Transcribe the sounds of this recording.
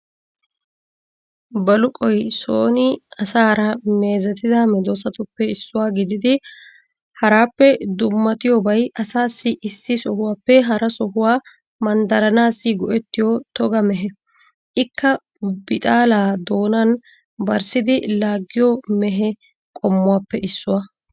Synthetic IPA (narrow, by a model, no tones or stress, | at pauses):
bɐlʊkʼɔjsoːnɪɐsaːɾɐme̞ːzɛt̪ɪd̪ɐmɛd̪osɐt̪ʊpːɛɪsːʊwaːɡɪd̪ɪd̪ɪ | hɐɾaːpːɛd̪ʊmːɐt̪ʼɪjɔbɐjɐsaːsːɪʔɪsːɪsɔhʊwaːpːɛɦɐɾɐsɔɦʊwaː | mɐnd̪ɐɾɐnaːsːɪɡɔʔɛt̪ːɪjɔt̪ɔɡɐmɛɦɛ | ʔɪkːɐ | bɪt̪ʼaːlaːd̪o̞ːnɐn | bɐɾsɪd̪ɪlaːɡːɪjɔmɛɦɛ | kʼɔmːʊwaːpːɛʔɪsːʊwa